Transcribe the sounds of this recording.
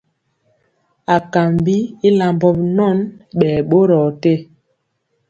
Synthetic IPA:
a˨ka˨mbi˦i˦la˨mbɔ˦pnɔ˦nɓɛː˨ɓo˦ɾɔ˨te˦

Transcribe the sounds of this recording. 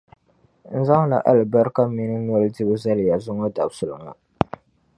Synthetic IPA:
n̩˨za˦ŋ˦la̰˨ʔa˦lba˦ɾka˦mi˦nɨ˦n˦ɔ˦lɨ˦di˦bɨ˦za˦lja˨zʊ˦ŋɔ˦da̰˨bsʊ˨lɨ˨ŋa̰˨

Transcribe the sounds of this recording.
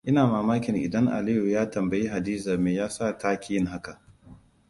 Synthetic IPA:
ʔɪ˦naː˨maː˨maː˦kʲɪ˨ŋʔɪ̰˨dɐ˦ŋʔa̰˨li˦ju˨jaː˦tɐ˨mbɐ˨ji˦ɦa˨diː˦za˨meː˨jaː˦sa˦˨taː˦kʲi˦jɪ˦ŋɦa˦ka˨ʔ

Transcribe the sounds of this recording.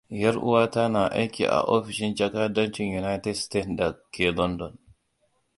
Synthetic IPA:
ja˦ɾʔṵ˦wa˦ta˦na˨ʔa˦jkḭ˨ʔa̰˨ʔo˦fi˨ʃi˦nt͡ʃa˦ka˦da˦nt͡ʃinjuna˦jtɛ˦dstetda˨kɛ˨lɔ˦ndɔ˨n

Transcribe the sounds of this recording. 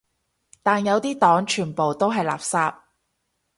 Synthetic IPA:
t̪aː˨njɐ˨˧wt̪iː˥t̪ɔː˨˥ŋt͡ʃʰyː˨˩npo˨wt̪o˥wɦɐ˨jla̰ː˨p̚saː˧p̚

